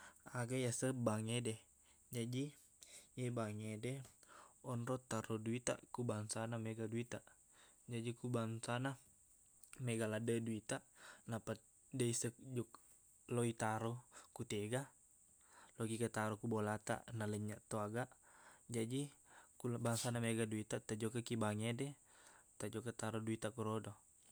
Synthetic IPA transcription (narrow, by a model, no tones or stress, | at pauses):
aɡajasəbaŋedɛ | d͡ʒadi | jebaŋedɛ | ɔnɾɔt̪ːaɾoduit̪a̰kubaŋsanamɛɡaduit̪aʔ | d͡ʒadikubaŋsana | mɛɡaladəduit̪aʔnapat̪̚ | deisək̚d͡ʒɔk | loit̪aɾokut̪ɛɡa | loɡikat̪aɾɔkubɔlat̪a̰ʔnaləɲaʔt̪oaɡaʔd͡ʒadikulbaŋsanamɛɡaduit̪at̪ad͡ʒɔkakibaŋedɛ | t̪ad͡ʒɔkat̪aɾɔduit̪akuɾɔdɔ